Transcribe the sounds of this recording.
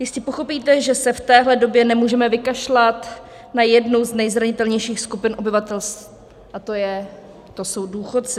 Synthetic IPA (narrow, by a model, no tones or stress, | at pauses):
jɪst̪cɛpoxo̞piːt̪ɛʒɛsɛft̪ɛːɦlɛdo̞bjɛnɛmuːʒɛmɛvɪkaʃlat̪ | najɛdnowznɛjzɾaɲɪt̪ɛlɲɛjʃiːxskupɪnʔo̞bɪvat̪ɛlst̪ | ʔat̪o̞jɛ | t̪o̞so̞wduːxo̞t̪t͡sɪ